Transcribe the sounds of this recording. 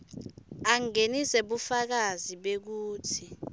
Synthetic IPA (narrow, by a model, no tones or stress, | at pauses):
aŋeniseɓufak̬aziɓek̬uːtʰi